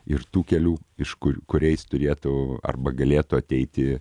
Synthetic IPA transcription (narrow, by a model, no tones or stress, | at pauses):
ɪrt̪uːkʲɛlʲuːɪʃkʊkʊɾʲɛɪst̪ʊɾʲeːt̪ʊɐ̰rbɐɡɐlʲeːt̪ʊɐt̪ʲɛɪt̪ʲɪ